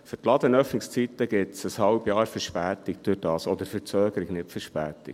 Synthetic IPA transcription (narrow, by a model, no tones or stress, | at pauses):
fʏɾtlɑd̪ənœfnɪkst͡sit̪ːəɡ̥ɪtsəshɑlbjɑːɾfɛɾʃpæːt̪ɪɡd̥øɾd̥ɑːsɔd̪əɾfəɾt͡sœːɡ̥əɾiɡnɪtfəɾʃpæːtɪk